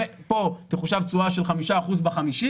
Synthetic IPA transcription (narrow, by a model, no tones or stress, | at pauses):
epo̞teχuʃavt͡suaʃelχamiʃaːχuzbaχamiʃi